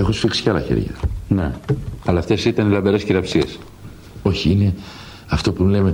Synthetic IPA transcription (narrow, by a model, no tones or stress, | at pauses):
e̞xosfiksi̥ceɐlɐ̰çe̞̰ɾʝɐ̰ne̞̰ɐlɐːft̪e̞sit̪ɐnilɐbeɾe̞sciɾɐpsies | o̞çiine̞ | ɐft̪o̞puleme